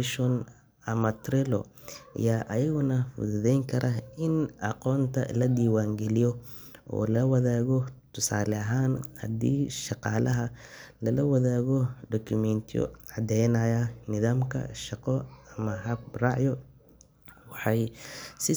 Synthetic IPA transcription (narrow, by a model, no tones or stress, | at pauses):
ʃɔn | ɐmɐt̪ʰɾɪlɔ̰jaːʔɐjɐɣʊnɐfʊ̰ðʊðɛjŋkʰɐɾʔɐɪnʔɑqɔːnt̪ʰɐ̰lɐd̪iːwaːŋɡɛlijɔ | ʔɔ̰ːlɐwɐðaːɣɔt̪ʰʊsaːlɛɐɦaːnhɐ̰d̪ḭːʃɑqɑːlɐɦɐlɐlɐwɐðaːɣɔɖ̪ɔkʰʊmɛnt̪ʰjɔ̰ʕɑd̪ɛjnɐjɐnɪðaːmkʰɐ̰ʃɑqɔɐmɐɦɐb̚rɑʕjɔ | wɑħɑjsɪ